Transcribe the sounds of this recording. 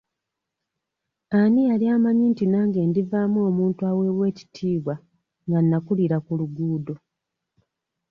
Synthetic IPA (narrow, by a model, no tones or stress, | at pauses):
anialiaːmaɲintinaːŋɡe̞ndivaːmuo̞ːmuːntuawe̞ːβwe̞ːci̥tʰiːβwa | ŋɡanːakuliɾakuluɡuːdo